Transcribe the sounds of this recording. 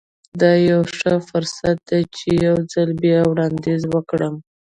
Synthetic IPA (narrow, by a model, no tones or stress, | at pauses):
d̪ɑjawʂəfʊɾsat̪̚d̪at͡ʃejawd͡zalbjɑwɽɑnd̪ezwəkɽəm